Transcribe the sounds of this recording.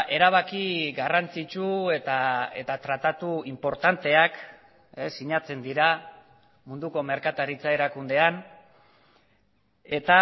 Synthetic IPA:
ʔe̞ɾaβ̞akiɡarant͡sit͡ʃue̞t̪ae̞t̪at̪ɾat̪at̪uimpo̞ɾt̪ant̪e̞ak | esːiɲat͡se̞nd̪iɾa | mund̪uko̞me̞ɾkat̪aɾit͡sae̞ɾakund̪e̞an | e̞t̪a

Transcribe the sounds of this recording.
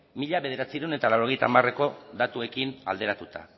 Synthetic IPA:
miʎaβe̞ð̞e̞ɾat͡siɾewne̞t̪alawɾo̞ɣe̞jt̪a̰mare̞ko̞ðat̪ue̞kina̰ld̪e̞ɾat̪ut̪a̰

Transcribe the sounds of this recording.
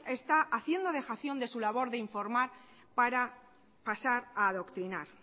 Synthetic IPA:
e̞st̪aʔaθje̞nd̪o̞ð̞e̞xaθjo̞nd̪e̞sulaβ̞o̞ɾðe̞iɱfo̞ɾmaɾ | paɾa | pasaɾaðo̞kt̪ɾinaɾ

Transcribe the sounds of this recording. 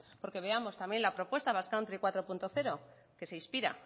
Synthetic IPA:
po̞ɾke̞βe̞amo̞st̪amje̞nlapɾo̞pwe̞st̪aβaskawnt̪ɾekwat̪ɾo̞punt̪o̞θe̞ɾo̞ | ke̞se̞ispiɾa̰

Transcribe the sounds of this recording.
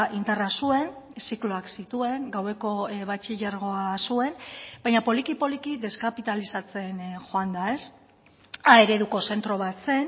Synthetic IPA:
ʔind̪arasue̞nsiklo̞aksit̪ue̞ŋɡawe̞ko̞βat͡ʃiʎaɾɣ̞o̞asue̞nbajɲapo̞likipo̞likiðe̞skapit̪alisat͡se̞nxo̞and̪ae̞s | ae̞ɾe̞ðuko̞se̞nt̪ɾo̞β̞at͡se̞n

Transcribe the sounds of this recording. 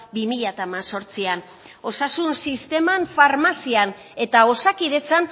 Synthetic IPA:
bimiʎat̪amaso̞ɾt͡sian | o̞sasunsist̪e̞manfaɾmasian | e̞t̪ao̞sakiðe̞t͡san

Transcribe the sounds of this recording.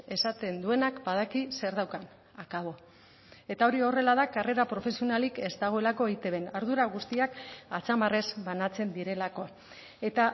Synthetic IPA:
e̞sat̪e̞nd̪ue̞nakbað̞akise̞ɾðawkan | akaβo̞ | e̞t̪ao̞ɾio̞re̞laðakare̞ɾapɾo̞fe̞sio̞nalike̞zt̪aɣ̞o̞e̞lako̞ejt̪e̞βe̞naɾðuɾaɣ̞ust̪iakat͡samare̞zbanat͡se̞nd̪iɾe̞lako̞ | e̞t̪a

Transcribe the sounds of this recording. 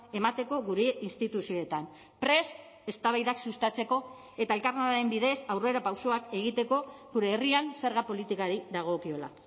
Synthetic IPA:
e̞mat̪e̞ko̞ɣuɾe̞inst̪it̪usio̞et̪am | pɾe̞s | e̞st̪aβajðaksust̪at͡se̞ko̞ | e̞t̪ae̞lkaɾnaðaɾe̞mbiðe̞sawre̞ɾapawso̞ake̞ɣit̪e̞ko̞ɣuɾe̞ːrianse̞ɾɣapo̞lit̪ikaɾiðaɣ̞o̞kio̞la̰

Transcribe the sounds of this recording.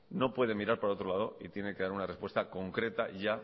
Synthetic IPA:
no̞pwe̞ð̞e̞miɾaɾpaɾao̞t̪ɾo̞lað̞o̞it̪je̞neke̞ðaɾunare̞spwe̞st̪ako̞ŋkɾe̞t̪aʝa

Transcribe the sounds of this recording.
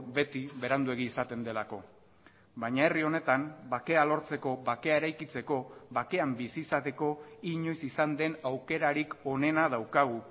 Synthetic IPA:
be̞t̪iβe̞ɾand̪ue̞ɣ̞iːsat̪e̞nd̪e̞lako̞ | baɲae̞rio̞ne̞t̪ambake̞alo̞ɾt͡se̞ko̞βake̞ae̞ɾajkit͡se̞ko̞βake̞ambisisat̪e̞ko̞iɲo̞jsisand̪e̞nawke̞ɾaɾiko̞ne̞nað̞awkaɣ̞u

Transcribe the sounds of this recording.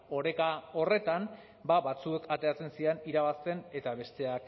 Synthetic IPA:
o̞ɾe̞kao̞re̞t̪am | baβat͡sue̞kat̪e̞at͡se̞nsieniɾaβast̪e̞ne̞t̪aβe̞st̪e̞ak

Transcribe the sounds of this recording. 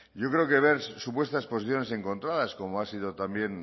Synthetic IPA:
ʝo̞kɾe̞oke̞β̞e̞ɾsupwe̞st̪aspo̞siθjo̞ne̞s̬e̞ŋkõ̞nt̪ɾaðasko̞moasiðo̞t̪ambje̞n

